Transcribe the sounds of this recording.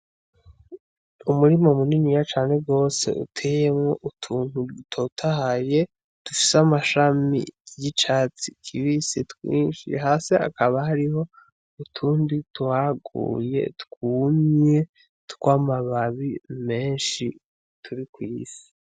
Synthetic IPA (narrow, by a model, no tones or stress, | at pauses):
umuɾimo̞muninijat͡ʃaːne̞b̚ɡo̞ːse̞̰ʔṵtʰe̞jemŋo̞ʔutʰuːn̥utʰotʰahaje̞ | tufi̥samaʃamḭjit͡ʃaːt͡sikʰiβisitkwḭːnʃḭɦaːse̞a̰kaβahaɾiɦo̞ | utʰuːndituhaɡṵːje̞̰tkuːmɲe | tu̥kwaːmaβaβime̞ːnʃi | tʰuɾikwiːsi̥